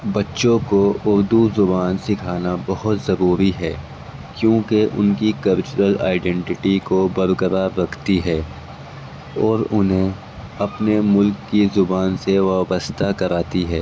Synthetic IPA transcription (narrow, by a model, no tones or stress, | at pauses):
bɐtːʃõkoʊɾd̪uzʊbaːnsɪkʰaːnabɐɦʊt̪zɐɾuːɾiɦɛː | kjõːkeʔʊ̰nkikɐlt͡ʃʊɾəla̰ːɪɖɛ̃ɳʈɪʈikobɐɾɡəɾaɾːɐkʰt̪iɦɛː | ɔːɾʊnɦẽ | ɐpnemʊlkːizʊbaːnseʋaːbəst̪ʰakɐɾaːt̪iɦɛː